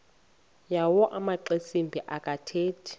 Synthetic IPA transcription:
jawɔʔamaǃesimbʱiʔakʼatʰeːtʰi̥

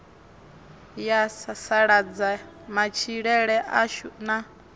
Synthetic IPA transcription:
jasasaɺad͡za | mat͡ʃʰiɺɛɺɛʔaʃuna

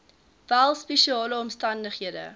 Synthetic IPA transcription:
vælˠspeʃiɑːləɔmstɐndəχɦiədə̰

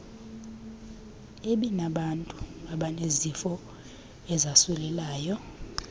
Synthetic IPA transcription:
eɓinaɓantʼuaɓanezifɔ | ɛzasɛlɛlaːjɔ

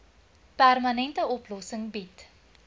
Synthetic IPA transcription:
pærmɐnɛntəɔplɔsəŋbit

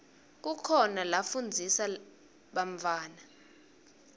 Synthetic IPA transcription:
k̬ukʰɔnalafund͡zʱisa | ɓaɱvʱaːna

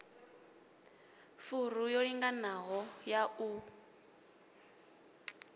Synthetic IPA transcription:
furujoɺiŋɡanaɣɔjau

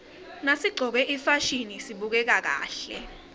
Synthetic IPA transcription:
nasiɡ͡ǀʱɔk̬ɛʔifaʃinisiɓuk̬ɛk̬ak̬a̰ːɬɛ̰

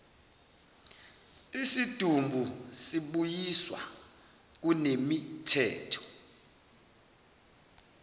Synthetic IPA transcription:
isid̥ʱumbʱusiɓujiswa̰ | k̬unemitʰɛ̰ːtʰɔ̥

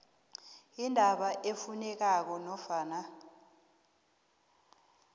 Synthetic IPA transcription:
indʱaɓaʔefunɛk̬ak̬ɔnɔfaːna

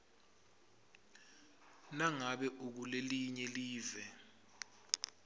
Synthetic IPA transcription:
naŋaɓɛʔuk̬uleliɲɛliːvɛ

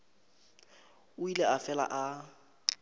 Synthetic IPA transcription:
ʊilɛafɛla̰ʔa

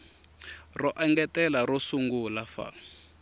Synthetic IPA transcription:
rɔʔaŋɡɛtɛlaɾɔsuŋɡulafa̰

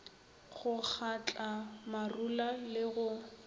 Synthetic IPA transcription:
χʊk͡xʰat͡ɬʼamarulalɪɣʊ

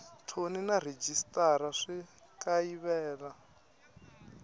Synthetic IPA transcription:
tʰoninar̤ed͡ʒistʼaɾaʂi | kʼaiβɛːɺa

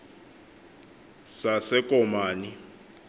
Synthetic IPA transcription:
sasɛkʼɔmaːni

